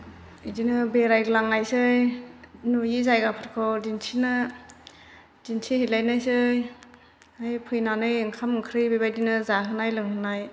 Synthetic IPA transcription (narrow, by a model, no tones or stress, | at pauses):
idinɯbeɾajɾɯlaŋːajsɯjnujizajɡapʰɯɾkʰɔdinsʰinɯ | d̥insʰihilajnajsɯj | ajpʰɯjnanɯjŋkʰamɯŋkʰɾɯjbejbajdinɯzaɦɯnajlɯŋhɯnaj